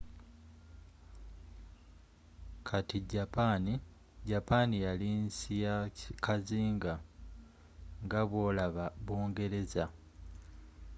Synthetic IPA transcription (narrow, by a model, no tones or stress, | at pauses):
kʰatiɟapaːni | ɟapaːnijalinsijakaziːŋɡa | ŋɡaβwo̞ːlaβaβwo̞ːŋɡe̞ɾe̞za